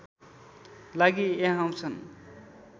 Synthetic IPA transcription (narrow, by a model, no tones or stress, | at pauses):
laɡieɦaw̃t͡sʰʌn